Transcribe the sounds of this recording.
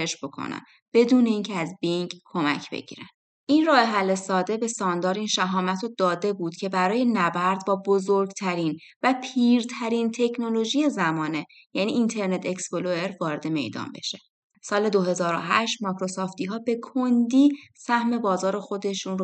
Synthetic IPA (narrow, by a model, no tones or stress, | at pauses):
eʃbo̞kʰo̰næ̰n | b̥e̞d̪uːne̞iːncʰeæzbiŋɡkʰːo̞mæ̰cʰb̥ḛɟ̥ḭːɾænd̪̥ | ʔinrɒːeɦælːe̞sɒːd̪e̞be̞sɒːnd̪ɒːɾiːnʃæɦɒːmæt̪ʰod̪ɒːd̪e̞buːd̪̥cʰe̞bæɾɒːje̞næbæɾd̪bɒːbozoɾɡt̪ʰæɾin | væpʰiːɾt̪ʰæɾint̪ʰe̞cʰno̞lo̞ʒije̞zæmɒːne̞ | jænḭʔint̪ʰe̞ɾne̞t̪ʰe̞ksboloe̞ɾvɒːɾe̞d̪e̞me̞̰jd̪ɒ̰ːnbe̞̰ʃe | sɒːle̞d̪o̞ɦe̞zɒːɾo̰ɦæʃt̪mɒːkɾo̞sɒːft̪ʰiːɦɒːbe̞kʰond̪iːsæhme̞bɒːzɒːɾexo̞d̪e̞ʃuːno